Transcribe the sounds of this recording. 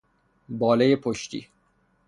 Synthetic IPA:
bɒːlejepʰoʃt̪ḭː

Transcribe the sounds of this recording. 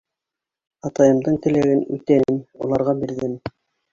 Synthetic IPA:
ɑt̪ɑjɤ̆md̪ɤɴt̪ɘ̆læɡɘnʉt̪ænulˠɑɾʁɑbiɾðɘn

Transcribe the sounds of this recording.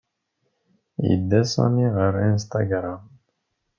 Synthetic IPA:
jḭd̪ːæsɑ̰niʁəɾinst̪ɑ̰ɡɾˤam

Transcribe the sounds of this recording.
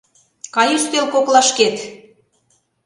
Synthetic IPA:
kɑjuʃt̪elkoklɑʃket̪

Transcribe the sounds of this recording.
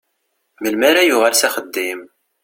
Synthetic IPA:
məlmaɾajʊʁælsæχəd̪ːim

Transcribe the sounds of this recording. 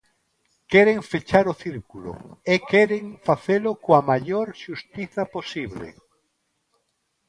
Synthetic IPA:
kɛɾeŋfet͡ʃaɾoθiɾkulo̰ekɛɾeŋfaθelokoamaʎoɾʃust̪iθaposiβlḛ

